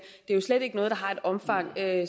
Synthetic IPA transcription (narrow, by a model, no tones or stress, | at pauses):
d̥e̝æjo̝sled̥e̝ɡ̥ənɔ̽ːð̞̩ˠdɑ̈ɦɑ̈e̝d̥ɒ̽mfɑ̈ŋ̰ø